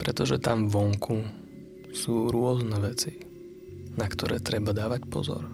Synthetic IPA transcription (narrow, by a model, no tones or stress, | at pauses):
pɾɛt̪ɔʒɛt̪amʋɔŋkʰu | suːɾʊɔznɛʋɛt͡si | nakt̪ɔɾɛ̰ːt̪ɾɛbad̪aːʋacpɔ̰zɔ̰ɾ